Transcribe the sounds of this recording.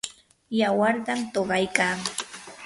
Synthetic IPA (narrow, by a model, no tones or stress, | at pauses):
jawaɾt̪amt̪oɢɑjkaː